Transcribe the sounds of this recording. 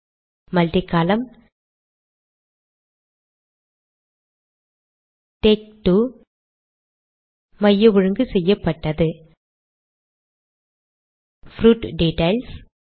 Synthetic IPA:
mɐlt̪ɪkːaːlɐm | ʈeːk̚ʈu | mɐjːɐʋɔɻɯŋɡɯsɛjːɐpːɐʈːɐðɯ | fɾuːʈɖeːʈːɐɪls

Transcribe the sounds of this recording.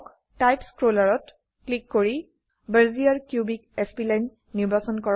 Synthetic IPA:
k | tajpskɹolaɹɔt | klikːoɹi | bəɹziaɹkjubik̚ɛspilajn | niɹbasɔnkɔ

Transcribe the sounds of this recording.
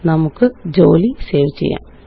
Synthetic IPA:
nɐmukːɨd͡ʑo̞ːlise̞ːʋit͡ɕːḛjːa̰ːm

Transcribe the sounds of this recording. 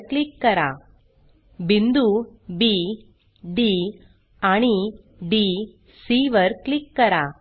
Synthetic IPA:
klɪkːɐɾa̰ː | bɪnd̪ubiː | ɖi | ɐɳi | ɖiː | siːʋɐɾklɪkːɐɾaː

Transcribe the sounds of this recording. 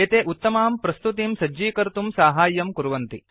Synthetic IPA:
eːt̪eːʔut̪ːɐmaːmpɾɐst̪ut̪imsɐːiːkɐɾt̪umsaːɦaːjːɐmkuɾuʋɐnt̪i

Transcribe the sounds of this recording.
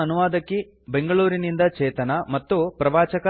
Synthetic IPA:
ɐnuʋaːd̪ɐkːi | be̞ŋɡɐɭuːɾinind̪ɐt͡ʃɛːt̪ɐnɐmɐt̪ːupɾɐʋaːt͡ʃɐkɐ

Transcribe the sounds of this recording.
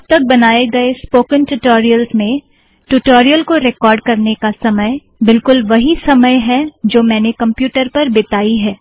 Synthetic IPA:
t̪ɐk̚bɐnaːeɡɐespoːkə̃nʈʊʈoːɾijəlzmẽ | ʈʊʈoːɾijəlkoɾɛkɔːɾɖ̚kɐɾnekasɐməj | bɪlkʊlʋɐɦisɐməjɦɛd͡ʒoːmɛ̃ːnekɐ̃mpjuːʈəɾpɐɾbɪt̪aːiɦɛː

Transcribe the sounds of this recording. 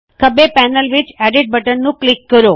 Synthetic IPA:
kʰəbepɛnəlʋit͡ʃɛɖiɖ̚bəʈənnũklɪkːəɾo

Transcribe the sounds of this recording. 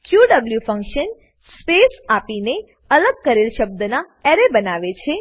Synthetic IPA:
kjuɖəbljufə̃ŋkʃən | spesapine | ələɡ̚kəɾelʃəb̚d̪əna | ɛɾebənaʋet͡ʃʰe

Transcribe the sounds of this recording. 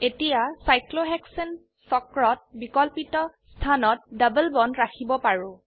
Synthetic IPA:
etijasajkloɦɛksen | sɔkɹɔt̚bikɔlpitɔ | tʰanɔt̚dəbəlbɔnɹakʰibɔpaɹʊ̃

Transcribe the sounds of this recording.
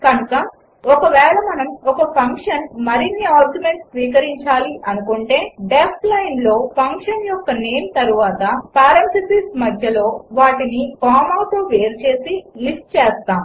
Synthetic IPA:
kɐnukɐ | ɔkɐʋɛːɭɐmɐnɐmɔkɐpʰɐŋkʂɐnmɐɾinːiaːɾɡjume̞ɳʈssʋiːk̬ɐɾiɲt͡ʃaːliʔɐnukuɳʈe̞ːɖesʈlɐjnlo̞ːpʰɐŋkʂɐnjɔkːɐneːmt̪ɐɾuʋaːt̪ɐpaːɾent̪lisiːsmɐd̪ʱjɐlo̞ːʋaːʈinikaːmaːt̪oːʋe̞ːɾt͡ʃe̞ːsilisʈ̚t͡ʃɛːst̪aːm

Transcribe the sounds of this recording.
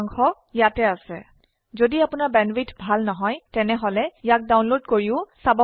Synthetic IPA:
ŋxɔ | jatɛasɛ̰ | zodiapʊnaɹbɛnwitʰbʱalnɔɦɔjtɛnɛɦɔlɛjak̚dawnlodkoɹiʊsabɔ

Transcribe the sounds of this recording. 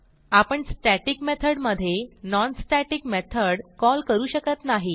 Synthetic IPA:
apəɳsʈɛʈikmet̪ʰəɽməd̪ʱːjenɔnsʈæʈikmet̪ʰəɽkɔlkəɾuːɕəkət̪naɦi

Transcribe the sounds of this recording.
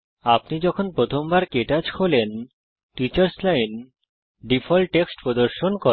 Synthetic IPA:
apnid͡ʑɔkʰonpɾot̪ʰombaɾkeʈad͡ʑkʰolen | ʈit͡ɕaɾslajn | ɖifʰɔlʈːeksʈpɾod̪oɾʃonko

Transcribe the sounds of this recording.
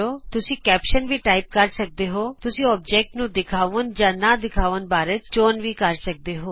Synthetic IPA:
oːt̪ʊsĩːkɛːpʃənʋʱiːʈaːɪp̚kəɾsək̚d̪eːɦoːt̪ʊsĩːɔːp̚d͡ʒɛːk̚ʈnũːd̪ɪkʰaːʋənd͡ʒãːnaːd̪ɪkʰaːʋənbaːɾet͡ʃt͡ʃoːnʋiːkəɾsək̚d̪eːɦoː

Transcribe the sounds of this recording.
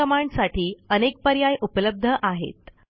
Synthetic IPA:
əmaɳɖsaʈʰiːənek̚pəɾjajʔupələb̚d̪ʱəʔaɦḛt̪

